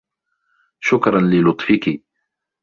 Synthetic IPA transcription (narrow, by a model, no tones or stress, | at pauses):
ʃʊkɾˤɑnlɪlʊt̪ˤfɪki